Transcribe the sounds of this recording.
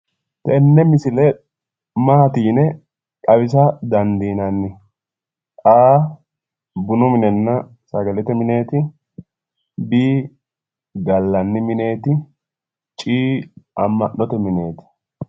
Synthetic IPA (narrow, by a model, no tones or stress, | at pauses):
t̪ɛnːɛmɪsɪlɛ | maːt̪iːnɛ | kʼɐβɪs̬ɐd̪ɐnd̪iːnɐnːɪ | ʔaː | bʊnʊmɪnɛnːɐ | sɐɡɐlɛt̪ɛmɪne̞ːt̪ɪ | biː | ɡɐlːɐnːɪmɪne̞ːt̪ɪ | t͡ʃʼiːɐmːɐnːɔt̪ɛmɪne̞ːt̪ɪ̥